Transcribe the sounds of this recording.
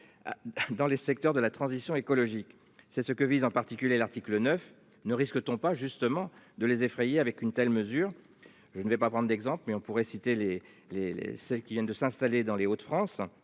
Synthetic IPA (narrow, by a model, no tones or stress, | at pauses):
ad̪ɑ̃lesɛk̚t̪œʁd̪əlat̪χɑ̃zisjɔ̃ekɔlɔʒik | sɛsəkəvizɑ̃paʁt̪ikʲyljelaʁt̪iklənœf | nəʁiskət̪ɔ̃paʒyst̪əmɑ̃d̪əlezefχɛjeavɛkynt̪ɛlməzyːʁ | ʒənvɛpapχɑ̃d̪ʁd̪ɛɡzɑ̃plmɛɔ̃puʁɛsit̪ele | lḛlḛsɛlkʲivjɛ̃nd̪əsɛ̃st̪aled̪ɑ̃leot̪fχɑ̃s